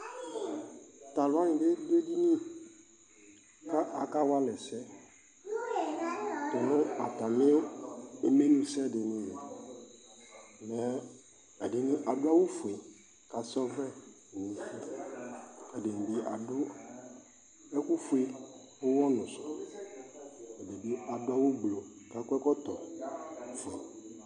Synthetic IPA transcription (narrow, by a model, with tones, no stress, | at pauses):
ta˨lʊ˨˦a˦ɲɪ̃˨dɪ˦de˦di˦nĩ˦ | ka˦ʔa˨ka˦wa˦lɛ˨sɛ˦ | tʊ˨nʊ̃˦a˨ta˨mɪ˦e˨me˦nũ˦sɛ˦˨dɪ˨nɪ̃˦jɛ˨ | nɛ˨ | ɛ˨dɪ˨nĩ˦ʔa˨dʊ˦a˦wo˦fu˨e˨ | ka˨sɔ˦vɛ˦˨ | o˨fi˦ | ɛ˨dɪ˨n˨bi˦ʔa˨dʊ˦ | ɛ˦ku˦fu˦e˦ | o˦wɔ˦nʊ̃˨sɔ̥˨ | ɛ˨de˨bi˦a˨dʊ˦a˦wo˦ɡ͡blo˨ka˨kɛ˦kɔ˦t̪ɔ˨˦ | fe˨